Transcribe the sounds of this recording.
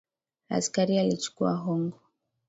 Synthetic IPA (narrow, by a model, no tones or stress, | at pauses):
a̰skaɾialit͡ʃu̥kua̰ɦɔŋɡɔ